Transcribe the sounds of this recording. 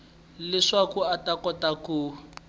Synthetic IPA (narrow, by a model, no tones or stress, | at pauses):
lɪʂakuatakɔtaku